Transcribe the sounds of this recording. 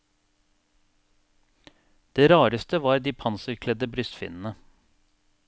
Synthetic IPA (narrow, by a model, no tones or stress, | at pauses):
d̪̥eːɾɑːɾəst̪əʋɑːɾd̪iːpʰɑnsəɾkʰlɛd̪əbɾʏst̪fɪ̰nn̩ə